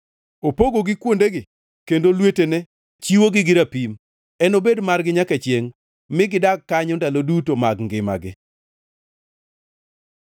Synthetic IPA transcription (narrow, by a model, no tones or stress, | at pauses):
opoɡoɡɪkwondeɡɪ | kendolwetenɛ | t͡ʃiwoɡɪɡɪɾapim | ɛnobedmarɡɪɲaket͡ʃjeŋ | mɪɡɪdakːaɲɔndalodutomaɡŋɡɪma̰ɡɪ